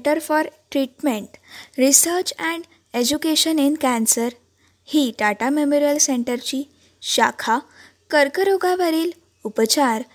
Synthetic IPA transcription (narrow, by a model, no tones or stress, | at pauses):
ʈəɾfɔɾʈɾiʈmeɳʈɾisəɾt͡ɕɛ̃ɳ | ed͡ʑukeɕəninkæ̃nsəɾ | hiːɖaʈamemoɾijəlseɳʈəɾt͡ɕiː | ɕa̰kʰa | kəɾkəɾoɡaʋəɾiːl | upət͡ɕaɾ